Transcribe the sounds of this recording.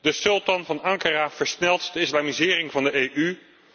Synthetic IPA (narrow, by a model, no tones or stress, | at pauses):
d̥əsɵlˠtɑnvɑnɑŋkəraːv̥əɹsnɛlˠtdəɪslaːmizɪːrɪŋvɑndəejʔy